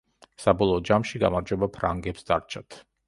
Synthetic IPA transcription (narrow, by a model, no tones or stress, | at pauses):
sabɔlˠɔːd͡ʒamʃiɡa̰maɾd͡ʒwɛbapʰɾaŋɡɛpsd̪aɾt͡ʃʰat̪ʰ